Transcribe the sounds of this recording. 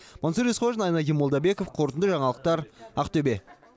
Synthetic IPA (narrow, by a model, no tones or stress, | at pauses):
monsəɾesχʰoʒənɑjnɑɡʲimːod̪ɑbe̞ko̞fqʰo̞ɾt̪ənd̪əʒɑɴɑlˠəq̚t̪ɑɾɑqt̪ɵbe̞